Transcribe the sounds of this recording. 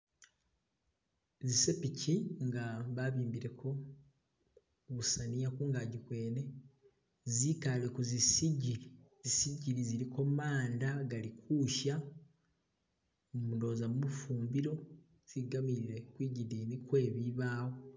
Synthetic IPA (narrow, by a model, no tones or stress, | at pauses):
zise̞picʰiŋɡaβaβiːmbiɾe̞kʰo̞ | βusanijakuːŋɡaɟikwe̞ːne̞ | zikale̞kuzisiɟizisiɟiɾiziɾiko̞maːndaɡalikʰuːʃa | umuno̞ːzamumufuːmbiɾo̞ | z̥iɡamiiɾe̞kwiːɟidiːnikwe̞ːβiβaːwo